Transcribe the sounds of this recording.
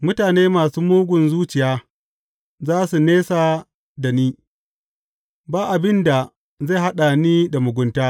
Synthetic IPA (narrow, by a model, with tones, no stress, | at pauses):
mʊ˦taː˨neː˦maː˨suː˦muː˦ɡʷʊ˨nzuː˦t͡ʃɪ˨jaː˦ | zaː˦su˨neː˦saː˨ | da˨niː˦ | baː˦ʔa˨bɪ˦nda˨ | za˦˨ha˦ɗa˨niː˦da˨mʊ˨ɡʷʊ˦ntaː˦